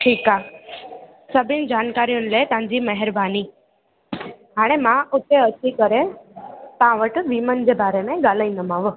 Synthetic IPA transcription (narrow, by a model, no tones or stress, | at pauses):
ʈʰiːkaː | sɐbʱɪnɪ̆d͡ʑaːnkaːɾijʊnɪ̆leːt̪ɐʋ̤ãɲd͡ʑimɐɦɪɾbʱaːni | ɦaːɽ̃emãʔʊt̪eɐt͡ɕikəɾe | t̪ɐãʋəʈ̆ʋiːmənd͡ʑeːbaːɾemẽɡaːl̤aːĩnd̪əmãːʋʊ